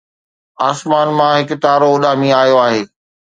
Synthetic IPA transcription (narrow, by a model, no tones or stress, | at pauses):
aːsmaːnmãɦɪkʊ̆t̪aːɾoʊɗaːmĩaːjoaːɦeː